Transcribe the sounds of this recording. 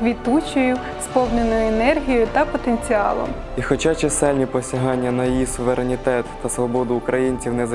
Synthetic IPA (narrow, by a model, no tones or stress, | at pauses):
ʋʲit̪ut͡ʃɔjʊ | spɔwnenɔjʊenɛrɦʲijɔjʊt̪ɐpɔt̪enʲt͡sʲiɑ̰lˠɔ̰m | ixɔt͡ʃɑt͡ʃɛsɛlʲnʲipɔsʲɐɦɑnʲːɐnɐjijisʊʋeɾenʲit̪ɛt̪ːɐsʋɔbɔd̪ʊːkɾɐjinʲt͡sʲiwnɛzɐ